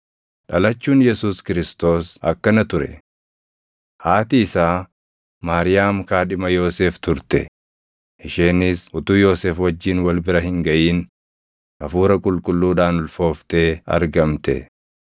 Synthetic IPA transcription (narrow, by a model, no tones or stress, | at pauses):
ᶑɐlɐt͡ʃːuːnjɛsuːskɪɾɪst̪o̞ːsɐ̰kːɐnɐt̪ʊɾɛ̰ | haːt̪iɪsaː | maːɾɪjaːmkaːᶑɪmɐjo̞ːseːft̪ʊɾt̪ɛ̰ | ʔɪʃeːnɪsʊt̪uːjo̞ːseːfwɐd͡ʒːiːnwɐlbɪɾɐhɪŋɡɐʔiːn | ʔɐfuːɾɐkʼʊlkʼʊlːuːᶑaːnʊlfo̞ːft̪e̞ːɐ̰ɾɡɐmt̪ɛ̰